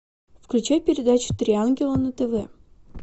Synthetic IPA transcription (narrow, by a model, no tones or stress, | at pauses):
fklʲʉt͡ɕajʲpʲɪɾʲɪd̪at͡ɕu̥t̪ɾʲianɡʲɪlˠənət̪əvɛ